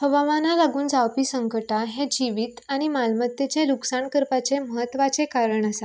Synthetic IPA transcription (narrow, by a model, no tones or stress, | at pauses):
həʋamanalaɡuːnd͡zawpiːsəŋkəʈaɦed͡ʑiʋiːt̪aɽ̃imalmət̪jet͡ɕeɾuksaɳkəɾpat͡seməɦət̪ːʋat͡sekaɾəɳasa